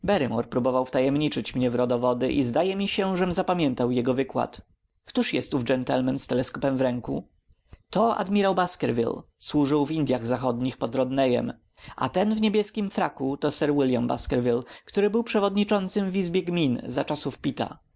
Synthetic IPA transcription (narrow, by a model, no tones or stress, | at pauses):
bɛɾɘmɔɾpɾubɔvawft̪ajɛmɲit͡ʂɘt͡ɕmɲɛvɾɔd̪ɔvɔd̪ɘʔizd̪ajɛmʲiɕɛʐɛmzapamʲjɛnt̪awjɛɡɔvɘkwa̰t̪ | kt̪uʂjɛst̪uvd͡ʒɛnt̪ɛlmɛnst̪ɛlɛskɔpɛmvɾɛŋkṵ | t̪ɔa̰d̪mʲiɾawbaskɛɾvʲḭlswuʐɘwvind̪ʲjaɣzaxɔd̪ɲixpɔd̪ɾɔd̪nɛjɛ̰m | ʔa̰t̪ɛnvɲebʲjɛskʲimfɾakut̪ɔsɛɾwiljamba̰skɛɾvʲilkt̪uɾɘbɘwpʂɛvɔd̪ɲit͡ʂɔnt̪sɘmvizbʲjɛɡmʲinzat͡ʂasufpʲit̪a̰